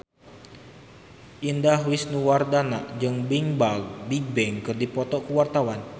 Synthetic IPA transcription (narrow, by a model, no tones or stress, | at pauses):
ʔindaɦwisnuwardanaʔd͡ʒɨŋbiŋbaɡ̚biɡ̚bɛŋkɨrdipɔt̪ɔkuwart̪awan